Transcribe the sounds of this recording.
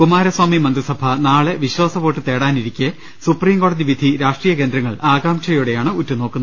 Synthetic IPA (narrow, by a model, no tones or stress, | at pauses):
kumaːɾɐswaːmimɐnd̪risɐbʱɐnaːɭeʋiɕwaːsɐʋo̞ːʈːɨt̪e̞ːɽaːniɾikʲːɨ | supriːmko̞ːɽɐðiʋid̪ʱiɾaːʂʈriːjɐke̞ːnd̪ɾɐŋːɐɭaːɡaːmt͡ɕɐjuɽe̞jaːɳɨutːuno̞ːkːunːɐ